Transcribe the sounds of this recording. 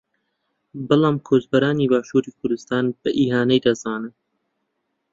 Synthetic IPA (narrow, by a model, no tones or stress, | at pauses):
bɨlɑːmkʰoːzbɐɾaːniːbaːʃuːɾiːkʰʊɾd̪ɨst̪aːnb̥ɛʔiːɦaːnɛjd̪azɑːnɨn